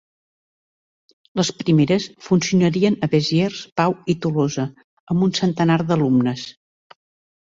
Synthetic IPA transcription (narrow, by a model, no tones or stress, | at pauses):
ləspɾimeɾəsfunsiunəɾiənəβezjerspawit̪ulozə | əmbunsənt̪ənaɾðəlumnəs